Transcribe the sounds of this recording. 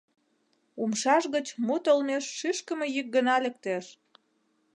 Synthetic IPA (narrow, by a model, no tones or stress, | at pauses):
umʃɑʃɣət͡ɕmut̪əlmeʃːyʃkə̆mejyk̚ɡənɑlek̚t̪eʃ